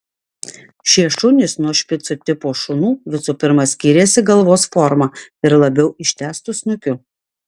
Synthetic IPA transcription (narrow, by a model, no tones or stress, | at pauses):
ʃʲiɛʃʊnʲɪsnuɔʃʲpʲɪt̪sʊt̪ʲɪpoːʃʊnuːʋʲɪsupʲɪɾmɐsʲkʲiːɾʲeːsʲɪɡɐlˠʋoːsfɔɾmɑɪɾlˠɐbʲɛʊɪʃʲt̪ʲæːst̪ʊsnʊkʲʊ